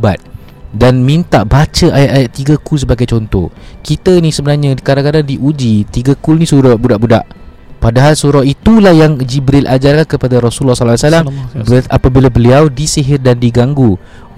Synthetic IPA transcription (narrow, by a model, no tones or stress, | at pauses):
ba̰t̪̚ | danmĩnt̪aʔbat͡ʃəʔajat̪̚ajaʔ̪iɡakuls̬əbaɡajt͡ʃɔnt̪ɔ̰hkit̪ənisəbənarɲãkadaŋkadaŋdiʔud͡ʒit̪iɡakulnĩsuɾabudaʔbuda̰ʔ | padaɦalsuɾait̪ulahjaŋd͡ʒibɾɪlʔad͡ʒarkankəpadaɾɔsulːɔhsalaasalamapabilabəliawdisiɦɪrdandiɡaŋɡu